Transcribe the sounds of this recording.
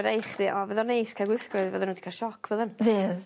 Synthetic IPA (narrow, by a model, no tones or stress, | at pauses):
ɾejχdiʔɔvɛðɔnejskʰaɡwɪskʊɨðvɛðənədi̥kʰaʃɔkʰvəðənveːð